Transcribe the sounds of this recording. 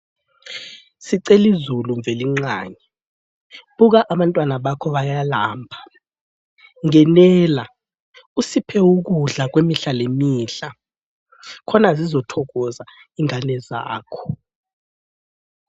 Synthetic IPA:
siǀelizuluɱvʱeliŋ͡ǀŋ͡ǁa̰ːɲɛ | ɓuk̬aʔaɓantʼwanaɓakʰɔɓajalaːmbʱa | ŋɛnɛːla | usipʰɛuk̬uɮak̬wemiɬalemiːɬa | kʰɔnazizɔtʰɔk̬ɔzaiŋanɛza̰ːkʰɔ̥

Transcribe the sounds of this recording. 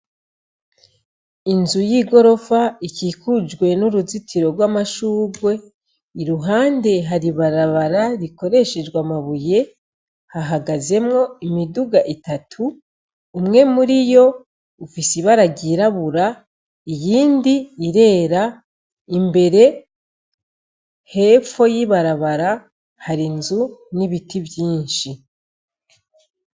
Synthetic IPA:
inzujiːɡo̞ɾo̞faikiːkud͡ʒɡwe̞nuɾuzitʰiɾo̞ɾɡwaːmaʃuːɡwe̞ | iɾuɦaːnde̞ɦaɾiβaɾaβaɾaɾiko̞ɾe̞ʃe̞d͡ʒɡwamaβuje̞ | haɦaɡaze̞mŋo̞imiduɡaʔitatʰuː | mŋe̞muɾijo̞ | ufisiβaɾaɡiɾaβuɾa | ijiːndiːɾe̞ːɾa | imbe̞ɾe̞ | he̞fo̞jiβaɾaβaɾa | haɾinzuniβitiβjiːnʃi

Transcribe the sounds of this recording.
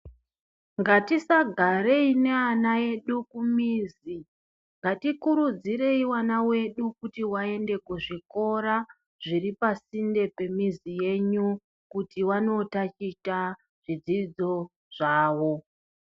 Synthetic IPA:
ŋɡatisaɡʱaɾe̞ine̞anae̞ɗukumiːzi | ŋɡatikuɾud͡ziɾe̞iwanawe̞ɗukutiwae̞nde̞kwuʐiko̞ɾa | ʐ̥iripasinde̞pe̞mizije̞ɲu | kutiwano̞tat͡ʃita | ʐ̥id͡zid͡zo̞ | ʐ̥aːwo̞

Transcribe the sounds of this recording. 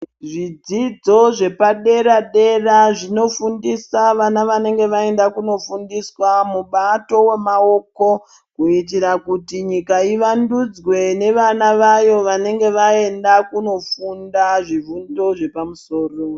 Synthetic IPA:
ʐid͡zid͡zo̞ʐe̞paɗe̞ɾaɗe̞raʐino̞fundisaʋanaʋane̞ŋɡe̞ʋae̞ndakuno̞fundiswamuɓato̞we̞mao̞ko̞ | kuit̬iɾakutiɲikaiʋandud͡zwe̞ne̞ʋanaʋajo̞ʋane̞ŋɡe̞ʋae̞ndakuno̞fundaʐivundo̞ʐe̞pamuso̞ːro

